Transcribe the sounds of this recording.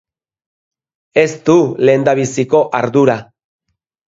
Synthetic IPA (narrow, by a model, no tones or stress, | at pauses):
e̞st̪ule̞ːnd̪aβ̞isiko̞ʔaɾðuɾa